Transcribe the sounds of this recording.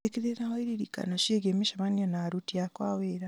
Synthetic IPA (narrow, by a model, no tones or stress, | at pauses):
ekiɾeɾahoiɾiɾika̰noʃeɡemiʃamanionaɾutijakwaweɾa